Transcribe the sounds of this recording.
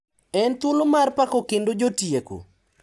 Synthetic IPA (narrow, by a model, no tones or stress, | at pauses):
ɛnt̪ʊlomarpakokendod͡ʒotjeko̰